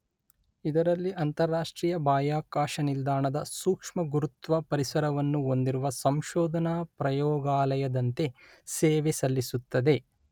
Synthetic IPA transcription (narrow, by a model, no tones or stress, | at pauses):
id̪ɐɾɐlːiʔɐnt̪ɐɾːaːʂʈɾiːjɐbaːjaːkaːʃɐnild̪aːɳɐd̪ɐsuːkʂmɐɡuɾut̪ʋɐpɐɾisɐɾɐʋɐnːuo̞nd̪iɾuʋɐsɐmʃɔːd̪ʱɐnapɾɐjɔːɡaːlɐjɐd̪ɐnt̪e̞ | sɛːʋesɐlːisut̪ːɐd̪e̞